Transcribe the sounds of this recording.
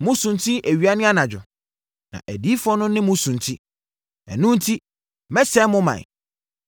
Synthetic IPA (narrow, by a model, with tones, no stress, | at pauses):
mʊ̃˦sũ˨ntʰi˦ʔæ˨ɥi˨˦a˦nɪ̃˦a˦nã˨d͡ʑᶣʊ˨ | nã̰˨ʔæ˨di˦fɔ̃˦nʊ̃˦nɪ̃˦mʊ̃˦sũ˨ntʰi˦ | ɛ̰˨nũ˦n̩˦tʰi˦ | mɛ˦sɛ˦mʊ̃˦mã̰˨j